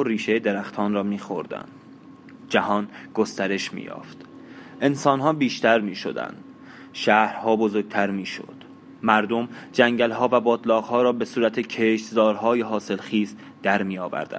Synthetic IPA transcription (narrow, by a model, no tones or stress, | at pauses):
oɾiːʃejed̪e̞ɾæxt̪ʰɒːnɾɒːmiːxo̞̰ɾd̪æ̰nd̪ | d͡ʒæhɒːnɡ̥ost̪æɾe̞ʃmḭːjɒ̰ːft̪ | ʔe̞nsɒːnɦɒːbiːʃt̪æɾmiːʃo̞̰d̪æ̰nd̪̥ | ʃæːhɾhɒːbo̞zoɾɡ̚t̪ʰæɾmiːʃo̰d̪̥ | mæɾd̪o̞md͡ʒæŋɟælɦɒːvæbɒːd̪lɒːɣhɒːɾɒːbe̞suːɾæt̪ʰecʰeʃt̪zɒːɾɦɒːjeɦɒːse̞lxiːz | d̪̥æɾmiːjɒːvæ̰ɾd̪æ̰n